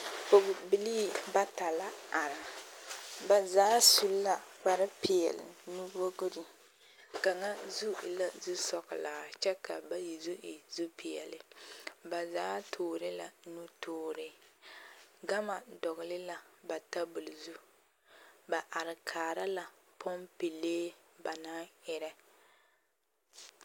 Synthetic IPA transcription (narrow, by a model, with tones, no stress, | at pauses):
o˨ɡʊ˨bi˨liː˦ba˦ta˨la˦a˨ɾɪ˨ | ba˨zaː˦su˨lːa˦k͡pa˨ɾɪ˦pɪ˨jɛ̰˨lɪ̰˨nu˦bo˦ɡo˦ɾi˨ | ka˨ŋa˦zu˦i˨la˦˨zu˦sɔ˦ɣɪ˨laː˨t͡ʃɛ˦ka˨ba˦ji˨zu˦ʔi˨zu˦pʰi˨ɛ̰˨lɪ˨ba˨zaː˦tʰoː˨ɾɪ˦la˨nu˦tʰoː˦ɾɪ˦ | ɡa˦ma˨dɔ˨ɣɪ˨lɪ˦la˨ba˨ta˦bʊ˨lzu˦ | ba˨ʔa˨ɾɪ˨kʰaː˨ɾa˦la˨ | pʰɔ˦mpi˨leː˦ba˨na˦ɪ˦ɾɛ˦